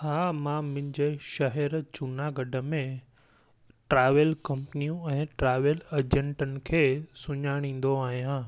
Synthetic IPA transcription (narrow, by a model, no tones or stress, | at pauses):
haːmãmʊ̃ɦɪ̃ɲd͡ʑeʃɐɦɛɾt͡ɕʊnaɡɐɖʱəmẽ | ʈɾaːʋəlkɐ̃mpnijũɛ̃ːʈɾaːʋəlɐd͡ʑẽɳʈənɪ̆kʰeːsʊɲaːɽ̃ĩːn̆d̪oaːɦijãː